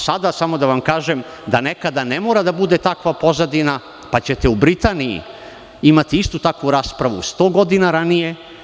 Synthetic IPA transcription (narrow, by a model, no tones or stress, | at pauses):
sad̪asamo̞d̪aʋamkaːʒem | d̪ane̞kad̪ane̞moːɾad̪abud̪et̪akʋapo̞zad̪ina | pat͡ɕe̞t̪eubɾit̪aːnijḭ | imat̪iist̪ut̪akʋuɾaːspɾaʋust̪o̞ːɡo̞d̪inaɾanije̞